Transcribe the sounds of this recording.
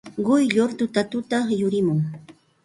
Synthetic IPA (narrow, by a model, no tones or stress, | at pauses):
ɢʊjʎoɾt̪ʊt̪at̪ʊt̪ajʊɾɪmʊŋ